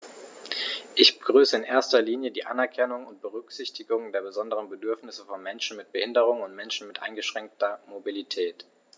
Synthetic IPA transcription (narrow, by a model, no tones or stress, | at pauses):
ʔɪçb̥əɡ̥ʁyːsəɪnʔeːɐstɐliːnjədiːʔanɛɐkʰɛnʊŋʊnt̚b̥əʁʏkz̥ɪçtɪɡʊŋdeːɐbəzɔndəʁənbədʏɐfnɪsəfɔnmɛnʃn̩mɪt̚b̥əhɪndəʁ̞ʊŋʊntmɛnʃn̩mɪtʔa̰ɪnɡəʃʁ̥ɛŋk̚tɐmobilitʰɛːt